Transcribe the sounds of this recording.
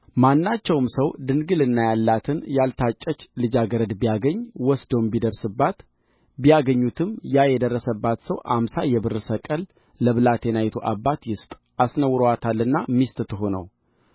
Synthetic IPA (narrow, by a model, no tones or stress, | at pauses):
manːat͡ʃːɛwmsəwd̪ɨnɡɨlɨnːajalːat̪ʰɨnjalt̪ʰat͡ʃʼːət͡ʃlɨd͡ʒaɡəɾəd̪bijaɡəɲːwɔsd̪ombid̪əɾsɨbːat̪ | bijaɡəɲːut̪ʰɨmjajɛd̪ərːəsəbːat̪səwʔa̰msajɛbɨrɨsəkʼəlː | əβɨlat̪ʰenajt̪ʰuʔabːat̪jɪst̪ʼ | ʔasnəwɾoat̪ʰalːɨnːamist̪ʼt̪ɨɦo̞nə̰w